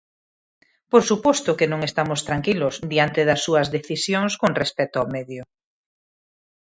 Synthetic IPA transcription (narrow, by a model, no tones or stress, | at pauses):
poɾsupɔst̪ʊkenõŋest̪amost̪ɾaŋkilʊsd̪iant̪eðɐsːuɐzðeθisjoŋskoŋrespɛt̪oawmɛðjʊ